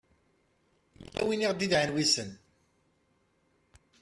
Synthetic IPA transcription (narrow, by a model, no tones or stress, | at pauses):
æ̰winiʁd̪iðʕənwisən